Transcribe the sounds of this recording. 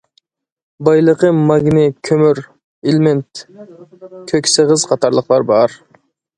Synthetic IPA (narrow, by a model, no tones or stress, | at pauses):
bɑjlˠəqəmɑɡnɪkʲʰømyɾ | ɪlment̪ | kʲʰøkʲsəʁəz̥qʰɑt̪ʰɑɾlˠəqlˠɑɾbɑɾ